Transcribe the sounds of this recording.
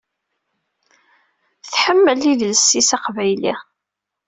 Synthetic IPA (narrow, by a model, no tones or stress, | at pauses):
θħəmːəlːiðləsːisaqvæjlḭ